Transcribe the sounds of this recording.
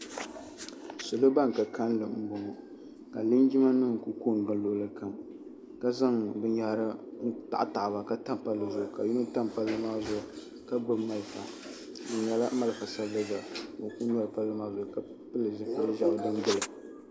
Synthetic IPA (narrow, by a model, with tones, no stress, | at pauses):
sʊ˨lo˦ba˦ŋ˨ka˨ka˦n˦lɨ˨m̩˦bɔ˨ŋɔ˨ | ka˨lɨ˦n˦d͡ʒi˦ma˦nɨ˦ŋ˨ku˦ko˦˨n˨ɡɨ˨˦lo˨lɨ˨ka˨m | ka˦za˦ŋbɨ˦nja˦ɾɨ˦ta̰˨ʔa˦˨ta˨ʔba˨ka˦ta˦m˨pa˦lːɨ˨zʊ˨ʔʊ˨ka˨ju˦nɨ˦ta˦mpa˦lːɨ˦maː˦zʊ˨ʔʊ˨ | ka˦bɨ˦ma˨lfa̰˨ | bɨ˨n˨jɛ˨la˦ma˦lɨ˨fa˨sa˦lɨ˦za˨mo˨˦ku˦n˦a˦ɾɨ˨pa˦lːɨ˦maː˦zʊ˨ka˦ | pɨ˦lɨ˨zɨ˨pɨ˨lɨ˦ʒa˨ʔdɨ˦n˦bɨ˦lɨ˨